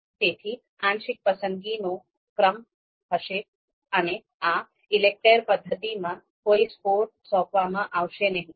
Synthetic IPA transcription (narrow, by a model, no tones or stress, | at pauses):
t̪et̪ʰi | ãːnʃɪk̚pəsəŋɡino | kɾəm | ɦəʃe | əne | a | ɪlek̚ʈeɾpəd̪ʱːət̪imã | koːispoɾʈsɔ̃ːkʋamãʔaʋʃenəɦĩ